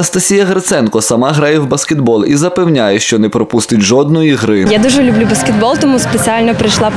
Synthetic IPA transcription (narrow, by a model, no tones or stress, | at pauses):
nɐst̪ɐsʲijɐɣɐɾt̪sɛnkɔsɐmɑɦɾɑjɛwbɐskʲet̪bɔlˠizɐpewnʲajɛʃt͡ʃɔnɛpɾɔpust̪ɪtʲʒɔd̪nɔiɦɾɪjad̪uʒɛlʲʊblʲubɐskʲet̪̚bɔlˠt̪ɔmuspet͡sʲialʲnɐpɾɐjʃlˠɑ